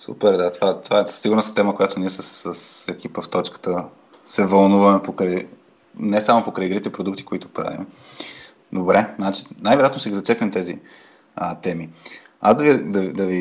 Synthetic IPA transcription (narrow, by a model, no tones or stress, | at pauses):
sṵpɛɾd̪at̪ovat̪ovaɛssiɡʊɾnəsist̪ɛməkojat̪ʊniɛsəsəsɛkipəft̪ɔt͡ʃkə̥t̪ə | sɛvɐlˠnuvɐmɛpokɾɛj | nɛsamopokɾɛjɡɾit̪ɛpɾod̪ukt̪i̥koit̪ʊpɾa̰vḭm | d̪obɾɛnat͡ʃi̥najvɛɾʲjat̪noʃt̪ɛɡʲizɐt͡ʃɛknɛmt̪ɛzḭ | ət̪ɛmiazd̪ɐviɾd̪ɐid̪ɐvi